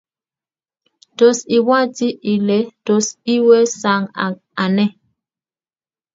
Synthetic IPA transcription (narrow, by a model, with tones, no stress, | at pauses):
to˨si˨wa˦˨ti˦ʔi˨le˨˦to˨si˦we˦sa˨ŋa̰˨ | a˨nɛ˦